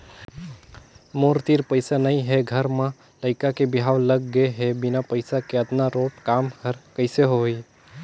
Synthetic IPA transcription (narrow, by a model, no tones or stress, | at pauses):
moːɾt̪iːɾpəɪsanəɦĩɦɛɡʱəɾmã | ləɪkakebɪɦaːwləɡːəɦɛbɪnapəɪsakeət̪naɾoːʈkaːmhəɾkəɪseɦoi